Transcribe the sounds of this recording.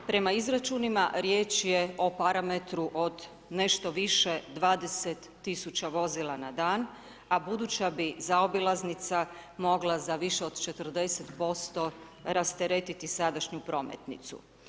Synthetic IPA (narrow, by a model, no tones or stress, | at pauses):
pɾe̞maizɾat͡ʃunimaɾjeːt͡ʃjeo̞paɾamet̪ɾuʔo̞d̪ | ne̞ʃt̪o̞ʋiʃed̪ʋaːd̪e̞set̪ːisut͡ɕaʋo̞zilˠanad̪aːn | abud̪ut͡ɕabizaobilˠaznit̪samo̞ɡlˠazaʋiʃeo̞d̪̥t͡ʃe̞t̪ər̩d̪e̞set̪po̞st̪o̞ | ɾast̪eɾet̪it̪isad̪aʃɲupɾo̞ːmḛt̪nḭt̪sṵ